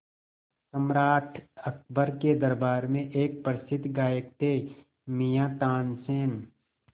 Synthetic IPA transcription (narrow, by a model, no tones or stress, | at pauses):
səmɾaːʈʰək̚bəɾked̪əɾbaːɾmẽʔeːk̚pəɾɪsɪd̪ʱɡaːjək̚t̪e | mijãt̪aːnseːn